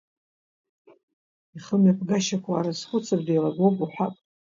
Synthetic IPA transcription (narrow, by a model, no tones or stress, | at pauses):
iχəmapʰɡaʃakʷʰaːɾasχʷʊt͡sʰabdajlaɡowpʼuħʷᶣapʼ